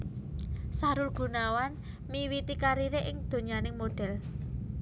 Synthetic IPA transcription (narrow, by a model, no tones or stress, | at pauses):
saɾʊlɡ̥ṳnawan | miwit̪ikaɾiɾeʔɪŋd̪̥o̤ɲanɪŋmoɖ̥ɛ̤l